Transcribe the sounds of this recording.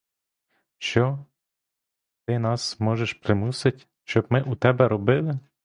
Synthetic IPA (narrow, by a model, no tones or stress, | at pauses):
ʃt͡ʃɔ | t̪ɪnɑsmɔʒeʃpɾɪmusɪtʲ | ʃt͡ʃɔbmɪʔut̪ɛbɛɾɔbɪlˠɪ